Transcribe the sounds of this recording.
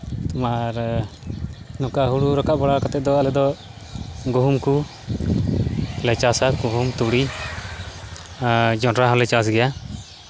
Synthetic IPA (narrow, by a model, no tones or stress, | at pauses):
t̪umaɾ | nɔkaɦuɽuɾɔkaʔbɔɽakat̪ɛd̪ɔalɛd̪ɔ | ɡuɦumku | lɛt͡ʃasakuɦumt̪uɽi | d͡ʒɔɾaɦɔlɛt͡ʃas̬ɡɛja